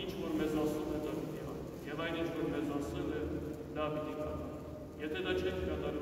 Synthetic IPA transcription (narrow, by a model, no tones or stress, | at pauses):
int͡ʃʰvɔɾmɛzɑsɛlɛd̪ɑpit̪iɦɑn | jɛvɑjnint͡ʃʰvɔɾmɛzɑsɛlɛ | d̪ɑpit̪ikɑnɛ | jɛt̪ʰɛd̪ɑt͡ʃʰɛkʰkɑt̪ɑɾ